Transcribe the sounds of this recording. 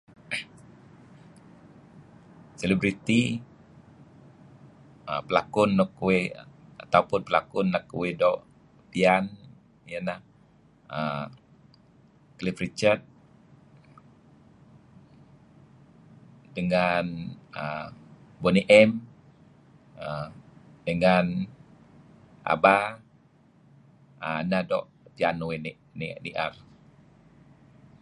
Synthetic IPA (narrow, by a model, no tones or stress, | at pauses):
selibɾit̪i | ʔə̰pəlakʊnːɔkwea̰t̪awpʊnpəla̰kʊnːakwedɔʔ | pian | janah | ə | klifrit͡ʃərt̪̚ | dəŋanə | boniʔɛm | ədəŋan | ʔa̰ba | ənadɔʔ | pianowen | ndiʔar